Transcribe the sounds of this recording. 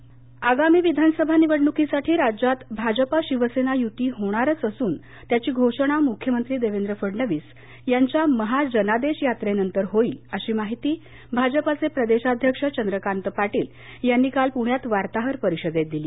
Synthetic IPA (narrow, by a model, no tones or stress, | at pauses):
aɡamiːʋid̪ʱansəbʱaniʋəɽnukisaʈʰiːɾad͡ʑat̪bʱad͡ʑəpaɕiʋəsenajut̪iːɦoɽ̃aɾət͡səsuːn | t̪jat͡ɕiːɡʱoʂəɽ̃amukʰːjəmənt̪ɾiːd̪eʋend̪ɾəfəɽɳəʋiːs | jaɲt͡ɕjaməɦad͡ʑənad̪eɕjat̪ɾenənt̪əɾɦoiːəɕiːmaɦit̪iː | bʱad͡ʑəpat͡sepɾəd̪eɕad̪ʱjəkʂət͡ɕənd̪ɾəkant̪əpaʈiːl | janːiːkalpuɳ̤jat̪ʋaɾt̪aɦəɾpəɾiɕəd̪et̪̚d̪iliː